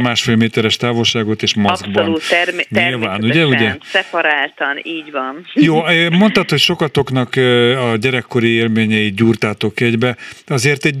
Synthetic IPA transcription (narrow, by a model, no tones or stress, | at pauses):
maːʃfeːlmeːt̪ɛɾɛʃt̪aːvo̞lʃaːɡo̞t̪eːʃmɒzɡbɒnluːt̪ːɛrɲilvaːnuɟɛuɟɛnsɛpɒɾaːt̪ɒniːɟʋɒnjoːøːmo̞nt̪ɒt̪ho̞cʃo̞kɒt̪o̞kn̪ɒkɒɟɛɾɛkːo̞ɾieːlmeːɲɛjit̪̚ɟuːrt̪aːt̪o̞kɛɟbɛɒzeːrt̪ɛɟ